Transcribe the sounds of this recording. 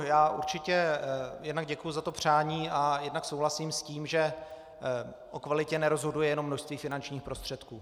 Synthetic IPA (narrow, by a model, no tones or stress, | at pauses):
jaːʔuɾt͡ʃɪcɛjɛdnaɡɟɛkujʊzat̪o̞pr̝̥aːɲiːajɛdnaksowɦlasiːmsciːmʒɛ | ʔokvalɪcɛnɛɾo̞zɦo̞dujɛjɛno̞mːnoʃst̪viːfɪnant͡ʃɲiːxpɾo̞st̪r̥ɛt̪kuː